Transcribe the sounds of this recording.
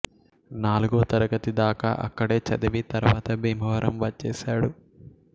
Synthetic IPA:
naːluɡoːt̪ɐɾɐɡɐt̪id̪aːka̰ːʔɐ̰kːɐɽeːt͡ʃɐd̪ɐʋit̪ɐɾʋaːt̪ɐbʱiːmɐʋɐɾʔɐmʋɐt͡ʃːɛːsaːɽu

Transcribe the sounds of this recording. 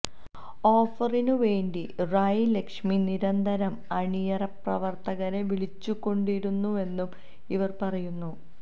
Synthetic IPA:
o̞ːfɐrinuʋe̞ːɳɖirajile̞kʂminiɾɐnd̪ʱɐɾɐmɐɳijɐrɐprɐʋɐrt̪ɐɣɐneʋiɭit͡ɕːukːo̞ɳɖiɾunːue̞nːum | iʋɐrpɐrɐjunːu

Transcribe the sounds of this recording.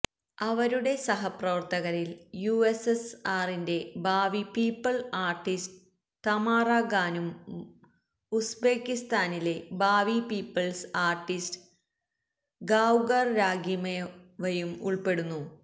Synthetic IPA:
ɐʋɐɾuɽe̞sɐɦɐprɐʋɐrt̪ɐɣɐɾiljuesesaːrinde̞baːʋipiːpːɐɭaːrʈːistɨ | t̪ɐmaːraːɡaːnum | usbeːkːist̪aːnile̞baːʋipiːpːɐɭsaːrʈːistɨ̥ | ɡaːwɡɐrɾaːɡimɐjʋɐjumṵɭpe̞ɽunːu

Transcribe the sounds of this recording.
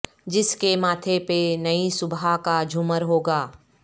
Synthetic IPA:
d͡ʒɪskemaːt̪ʰepenɐisʊbakad͡ʒʱʊməɾɦoːɡaː

